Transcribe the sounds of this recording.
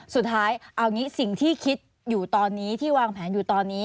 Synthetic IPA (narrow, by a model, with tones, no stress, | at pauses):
su˨˩t̪ʰːaː˦˥jʔa˧wniː˦˥si˨˩ŋt̪ʰiː˥˩kʰi˦˥t̪̚ | juː˨˩t̪ɔː˧nːiː˦˥t̪ʰiː˥˩waː˧ŋpʰɛː˩˦njuː˨˩t̪ɔː˧nːiː˦˥